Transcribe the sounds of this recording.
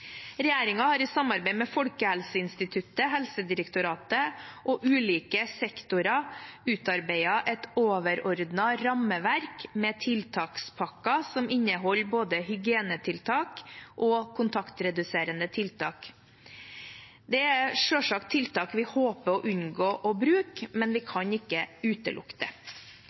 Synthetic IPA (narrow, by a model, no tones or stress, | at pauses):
ɾɛjeːɾɪŋɑhɑɾɪsɑmɑɾbæɪmɛfɔlkəhɛlsəɪnst̪ɪt̪ʰʉt̪əɦɛlsəd̪ɪɾəkt̪ʊɾɑːt̪əʔɔʔʉːliːkəsɛkt̪ʊɾɑʉːt̪ɑɾbæɪɑʔɛt̪oːʋəɾɔɾd̪nɑɾɑməʋæɾkmɛːt̪ʰɪlt̪ʰɑːkspʰɑkːɑsɔmɪnːəɦɔlːboːd̪əhʏɡɪeːnət̪ʰɪlt̪ʰɑːkʔɔkʰʊnt̪ʰɑkt̪ɾɛd̪ʉseːɾənd̪ət̪ʰɪlt̪ʰɑːk | d̪ɛæʂøːʂɑk̚t̪ʰɪlt̪ʰɑːkʋɪhoːpəɔʔʉnɡoːʔɔbɾʉːkmɛnʋɪkʰɑɲɪkːəʉːt̪ə̰lʊ̰kt̪ə